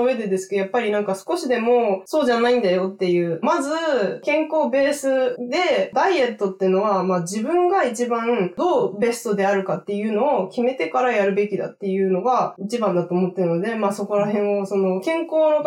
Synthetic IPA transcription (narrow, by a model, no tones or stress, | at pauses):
oβe̞d̪e̞d̪e̞sɨ̥kjapːaɾʲinãŋkasɨ̥ko̞ɕid̪e̞mo̞so̞ːʑanaĩnd̪ajo̞t̪ːe̞jɯ̟ːmazɨkẽ̞ŋko̞ːbe̞ːsɨd̪e̞d̪aie̞t̪ːo̞t̪ːe̟no̞βamaːd͡ʑibɯ̟̃ŋɡait͡ɕibãd̪o̞ːbe̞st̪o̞d̪e̞aɾɯ̟kat̪ːe̞jɯ̟ːno̞ːkʲime̞t̪e̞kaɾajaɾɯ̟be̞kʲid̪a̰t̪ːe̞jɯ̟ːno̞ɡait͡ɕibãnd̪at̪o̞ːmo̞t̪ːeɾɯnod̪e̞maːso̞ko̞ɾahẽ̞ɰ̃oso̞no̞kẽ̞ŋko̞ːno̞